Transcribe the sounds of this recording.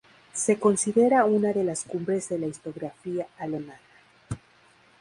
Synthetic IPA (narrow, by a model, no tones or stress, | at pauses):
se̞ko̞nsiðe̞ɾaunaðe̞laskumbɾe̞zðe̞laist̪o̞ɣɾafiaale̞mana